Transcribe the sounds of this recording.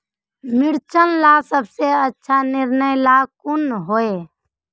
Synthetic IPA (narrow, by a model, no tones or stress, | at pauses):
mɪɽt͡ʃənlasəbseətːʃʰanɪɾnəjlakunɦoe